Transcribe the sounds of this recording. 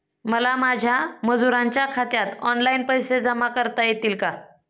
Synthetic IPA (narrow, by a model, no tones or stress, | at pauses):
məlamad͡ʑʱjaməd͡zuɾaɲt͡ɕjakʰat̪jat̪ɔnlainpəjsed͡zəmakəɾt̪ajet̪iːlka